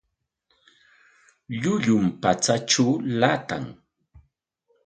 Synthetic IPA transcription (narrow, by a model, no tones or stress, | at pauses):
ʎʊʎʊmpat͡sat͡ʃaːlat̪a̰ŋ